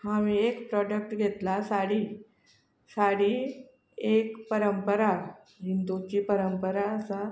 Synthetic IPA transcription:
haʋiekpɾɔɖək̚ʈɡʱet̪lasaɽiː | saɽiː | ekpəɾəmpəɾa | ɦind̪ut͡ɕiːpəɾəmpəɾaəsa

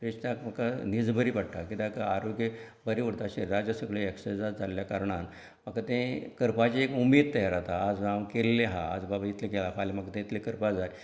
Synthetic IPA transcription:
pɾiʂʈ̪akməkanid͡zbʱəɾiːpəɽʈakit̪akaaɾoɡjəbəɾiʋəɽt̪aɕeɾad͡ʑəsəɡɭeeksesd͡zat̪d͡zalljakaɾɳan | makat̪ẽkəɾpat͡ɕiekumiːd̪̚t̪əjaɾat̪aːd͡zawkelːeɦa̰ːd͡zbabait̪lekelafʰalemakt̪ẽt̪lekəɾpad͡zaɾ

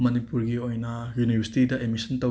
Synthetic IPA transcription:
mɐnipuɾɡiojnɐjunibʱɐɾsi̥tidɐʔemisɐntɐ

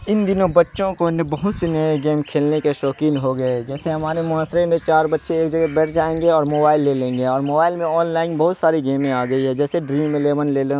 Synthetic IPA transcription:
ɪnd̪ɪnõbɐtːʃõkonebɐɦʊt̪senɐjeɡeːmkʰeːlnekeʃɔːkiːnɦoɡɐed͡ʒɛːseɦɐmaːɾemʊaːsɾemẽt͡ʃaːɾbɐtːʃeeːkd͡ʒɐɡɛbɛːʈʰd͡ʒaːẽːŋɡeɔːɾmoːbaːɪlːelẽːŋɡeɔːɾmoːbaːɪlmẽɔːnlaːɪnbɐɦʊt̪saːɾiɡeːmẽaːɡɐiɦɛd͡ʒɛːseɖɾiːmːẽleːʋənleːle

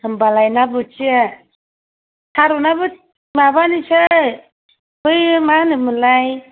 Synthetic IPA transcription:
ɯmbalajnabɯt͡ʃi | sʰaɾunabɯ | mabanisɯ | bɯjmanɯmɯlaj

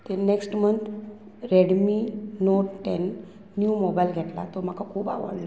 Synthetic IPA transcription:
t̪eneksʈmənt̪ | ɾeɽminoʈenː | jumobajlɡʱɛʈla̰t̪om̤akakʰuːpa̰ʋə̰ɽlɔ

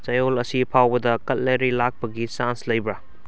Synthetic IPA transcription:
t͡ʃɐjolɐsipʰawbɐdɐkɐt̚leɾilak̚pɐɡisanslɐjbɾɐ

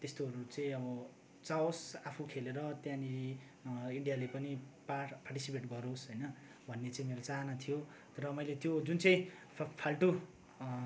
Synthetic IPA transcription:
t̪est̪oɦʌɾut͡sʌĩʌbʌ | t͡saosapʰukʰeleɾʌt̪jãni | iɳɖijalepʌnipaparʈisipeʈɡʌɾosɦʌjnʌ | bʱʌnːet͡saĩmeɾot͡saɦnat̪ʰijo | t̪ʌɾʌmʌjlet̪jod͡zunt͡sʌĩ | pʰalʈu

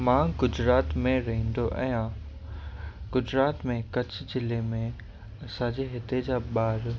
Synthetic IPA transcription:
mãːɡʊd͡ʑɾaːt̪mẽɾɐɦĩːn̆d̪oʔɛ̃ːjã | ɡ̥ʊd͡ʑɾaːt̪mẽkɐt͡ɕʰʊd͡ʑɪlemẽ | ɐsãd͡ʑeːɦɪt̪ed͡ʑaːɓaːɾ

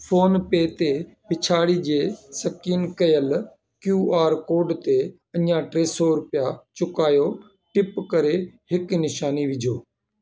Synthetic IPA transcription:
fʰoːnpeːt̪e | pɪt͡ʃʰaːɽiːd͡ʒeːsəkiːnkəjəl | kjuːaːɾkoːɖt̪e | ə̃ɲjãːʈɾeːsoɾʊpɪjat͡ʃʊkaːjoː | ʈɪpkəɾehɪknɪʃaːniʋɪd͡ʒʱoː

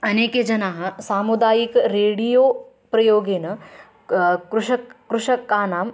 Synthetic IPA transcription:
ɐneːked͡ʒɐnaːɦɐsaːmud̪aːjikɾeːɽijoː | pɾɐjoːɡeːnɐ | kɾuʂɐkkɾuʃɐkːaːnaːm

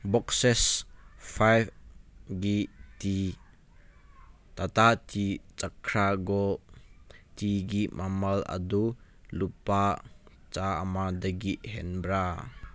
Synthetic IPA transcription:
bɔksɛsfajfɡit̪i | t̪at̪at̪it͡sakʰɾaɡɔ | tiɡiʔmʔamɐlɐ̰d̪u | lupa | t͡saa̰mad̪ɐɡiʔhɛnbra

